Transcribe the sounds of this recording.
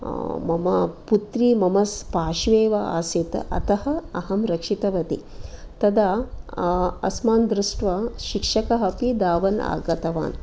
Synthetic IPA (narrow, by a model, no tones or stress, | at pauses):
mɐmɐ̰put̪ɾimɐmɐspaːʃʋeːʋɐa̰ːsit̪ɐ̰t̪ɐhɐɐɦɐmɾɐkʂit̪ɐʋɐt̪ḭ | t̪ɐd̪ɐ | ɐ̰smaːnd̪ɾuʂʈʋɐʃikʂɐkɐɦɐpid̪aːʋɐna̰ːɡɐt̪ɐʋa̰ːn